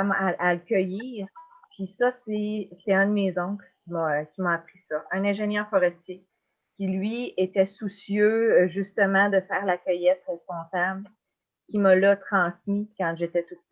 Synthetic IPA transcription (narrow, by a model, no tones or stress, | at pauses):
maʔaləkʲœjiːʁ | pɥisʌsesɛɛ̃d̪əmezɔ̃klkʲimʌkʲimaapχisʌɛ̃nɛ̃ːʒenjœːʁfɔʁɛst̪je | kʲilɥiet̪ɛsusjøʒyst̪əmɑ̃d̪əfɛːʁlakʲœjɛt̪ʁɛspɔ̃sabl | kʲimʌlɔt̪χɑ̃smikɑ̃ʒet̪ɛt̪up̪̚